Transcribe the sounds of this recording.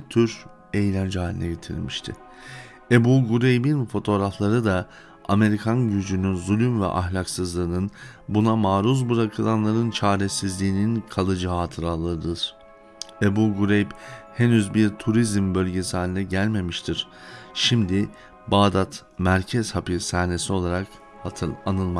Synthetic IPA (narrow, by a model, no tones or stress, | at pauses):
t̪ʰyɾ | e̞jlʲænd͡ʒɛaːlʲḭnɛɟe̞t̪ʰḭɾ̰miʃt̪ʰɪ̰ | ebuɡuɾejbinfo̞t̪ʰo̞ːɾaflˠaɾɯd̪a | ame̞ɾikʰanɟyd͡ʒynynzulʲymvɛ̰ʔa̰ɦlʲaksɯzlˠɯːnɯn | bunamaːɾuzbɯɾakʰɯlˠanlˠaɾɯnt͡ʃʰaːɾesizlʲiːninkʰalˠɯd͡ʒɯɦaːt̪ʰɯɾalˠɯɯd̪ɯɾ̥ | ebuɡuɾejbhenyzbiɾt̪ʰuɾizmbølʲɟesihaːnʲinɛɟælʲme̞miʃt̪ʰiɾ̥ | ʃimd̪ɪ | baːd̪at̪ | mæɾcʰɛz̥hapisaːne̞sio̞lˠaɾak | haanɯlˠma